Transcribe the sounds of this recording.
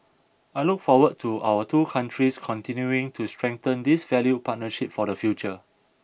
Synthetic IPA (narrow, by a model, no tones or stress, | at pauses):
ajlukfɔwəd̚tʰuʔa̰wətʰukʰãntʰɹiskʰɔ̃ntĩnjuɪ̃ŋtʰustɹɛ̃ŋt̪ə̃ndisvɛljupʰat̚nəʃip̚fɔdəfjut͡ʃə